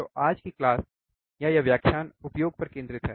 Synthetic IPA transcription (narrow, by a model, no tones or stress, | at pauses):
oʔaːd͡ʒkiklaːs | jajaʋjaːkʰʃaːnʊpjoːɡ̚pɐɾkẽːnd̪ɾɪt̪ɦɛ̰ː